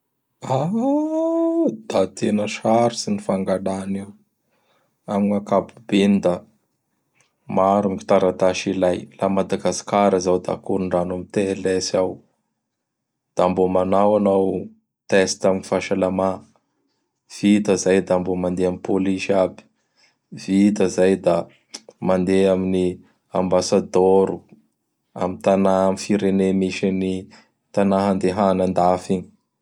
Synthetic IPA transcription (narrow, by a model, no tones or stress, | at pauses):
a | d̪̥at̪ʰenəʃaɾisinifaŋɡalaniw | aminakabubind̪a | maɾumki̥t̪aɾat̪aʃilajlamad̪aɡasi̥kaɾəzawd̪a̰kuɾuɳɖ͡ʐanamit̪elesaw | d̪̥ambomanawanaw | t̪ɛst̪aminifaʃalama | v̥it̪əzajd̪ambomand̪eamipoliʃabi̥ | vit̪əzajd̪a | mand̪eamini | ambasad̪oɾu | a̰mint̪anamfiɾenemiʃini | t̪anaɦand̪eɦanand̪afiɲi̥